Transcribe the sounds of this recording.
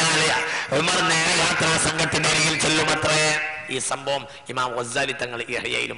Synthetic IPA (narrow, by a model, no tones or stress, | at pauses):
aɐlija̰ːoðumaːrneːɾiʋaːk̪ɾaːsɐŋɡɐt̪ːindeɾikːilt͡ɕelːumɐt̪rɐiːsɐmbʱɐʋɐm | imaːmɐzaːlit̪ːɐŋːɐɭiɐ̰rija̰ːjḭlṵm